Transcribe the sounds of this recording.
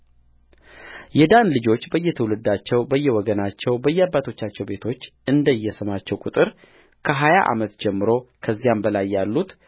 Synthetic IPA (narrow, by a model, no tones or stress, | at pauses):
jɛd̪anlɨd͡ʒo̞t͡ʃːbəjːɛt̪ʰəwlɨd̪ːat͡ʃːɛwbəjːɛwɔɡənat͡ʃːɛwbəjːɛabːat̪ʰo̞t͡ʃːat͡ʃːɛwbe̞t̪ʰo̞t͡ʃːʔɨnd̪əjːɛsəmat͡ʃːɛwkʼut̪ʼɨɾ | kʰəɦajaʔa̰mət̪d͡ʒɛmːɨɾo̞kʰəzːijambəlajːalːut̪